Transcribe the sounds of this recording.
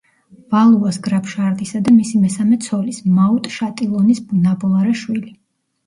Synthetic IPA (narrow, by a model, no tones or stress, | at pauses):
valˠuasɡɾapʰʃaɾd̪ʼisad̪amisimɛsamɛt̪sʰɔlismaut̪ʼʃat̪ʼilˠɔnisbunabʼɔlˠaɾɛʃwili